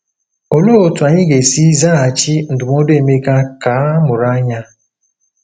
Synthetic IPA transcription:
o˨lo˦o˨tu˨a˨ɲɪ˦ɡe˨si˦za˦a˨t͡ʃi˦n̩˨dʊ˨mɔ˦de˦˨me˦ka˦ka˨˦mʊ˨ɾa˦ɲa˦

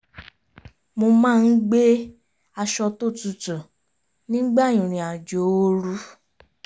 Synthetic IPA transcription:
mo˧mãː˦˧n̩˦ɡ͡be˦ | a˧ʃɔ˧to˦˨tu˨tu˨ | nĩ˦ɡ͡ba˦˨jĩ˨ɾ̃ĩ˨a˨d͡ʒo˨˦o˦ɾu˦

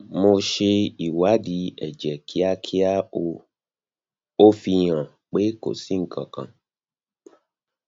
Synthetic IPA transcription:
mo˧ʃe˧i˨wa˨˦di˨˦ɛ˨d͡ʒɛ˨kʰi˨˦a˦kʰi˦a˦o˧ | o˦fi˧j̃ã˨ | k͡pe˦ko̰˨si˨˦ŋ̩˨kʰã˨kã̰˨

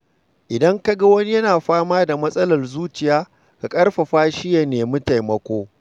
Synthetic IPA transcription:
ʔɪ˨dɐ˦ŋkɐ˦ɡa˦wɐ˦ni˦jɐ˦naː˨ɸaː˦maː˦da˨mɐ˦sʼɐ˦lɐ˨rzuː˦t͡ʃɪ˨jaː˦ | ka˨kʼɐ˦rɸa˨ɸaː˦ʃɪ˦ja˨neː˨mʊ˦ta˨jmɐ˦kʷoː˦

